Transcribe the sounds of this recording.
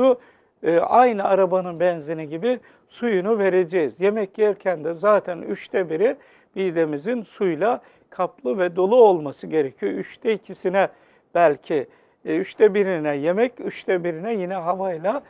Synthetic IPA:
u | ʔajnɯaɾabanɯnbɛnzeniɟibi | sujunuve̞ɾe̞d͡ʒɛjzje̞mɛcjɛɾcʰænd̪ɛzaːt̪ʰɛnyʃt̪ʰɛbiɾi | b̥ijd̪emizinsujlˠa | kʰaplˠɯvɛd̪o̞lˠuo̞lˠmasɯɟe̞ɾecʰyjoyʃt̪ʰɛicʰisinɛ | b̥ælʲcʰi | yʃt̪ʰɛbiɾinɛje̞mɛcyʃt̪ʰɛbiɾinɛjinɛɦavajlˠa

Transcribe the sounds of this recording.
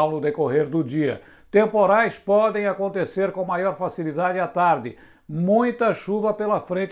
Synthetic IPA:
wnʊd̪ekoɦeɾd̪ʊd͡ʒiɐ̰ | t̪ẽmpoɾajspɔd̪ẽj̃akõnt̪eseɾkõw̃majɔɾfasilid̪ad͡ʒɪat̪aɾd̪ɪ | mũj̃t̪ɐʃuvɐpelɐfɾẽnt͡ʃ

